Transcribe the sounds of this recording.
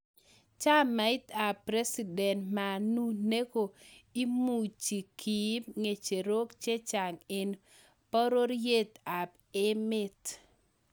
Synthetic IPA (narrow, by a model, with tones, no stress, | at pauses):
t͡ʃa˦mːa˨ɪ˦ta˨pɾe˦si˨dɛ˨ntma˨nu˦ne˦ɡo˨i˦mu˨t͡ʃi˨kʰi˨˦mŋe˨t͡ʃe˨ɾo˦kt͡ʃe˦t͡ʃa˨ŋe˨n | pɔ˦ɾo˦ɾje˦t̪a˨p | e˦mɪ˦t